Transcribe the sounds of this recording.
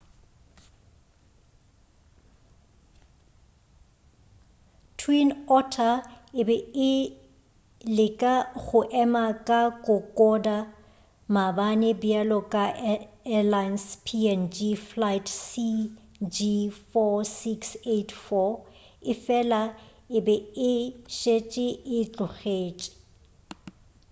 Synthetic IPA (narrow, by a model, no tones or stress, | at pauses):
tʰwinɔtʰaɪbɛɪ | lɪkʼaɣʊʔɛmakʼakʼʊkʼɔda | mabanɪbialɔkʼaʔɛlajnspʰiɛnd͡ʒiflajtʰsi | d͡ʒifɔsiksetʰfɔ | ɪfɛla | ɪbɛɪʃet͡ʃʼɪɪt͡ɬʼʊɣeːt͡ʃʼɪ̥